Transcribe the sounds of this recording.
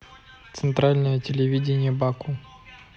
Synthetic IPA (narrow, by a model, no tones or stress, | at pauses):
t̪sɨnt̪ɾalʲnəjətʲɪlʲɪvʲidʲɪnʲɪjəbaku